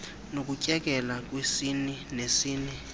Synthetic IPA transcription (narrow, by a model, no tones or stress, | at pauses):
nok̬ucʼɛk̬ʼɛlak̬ʼwisininesiːni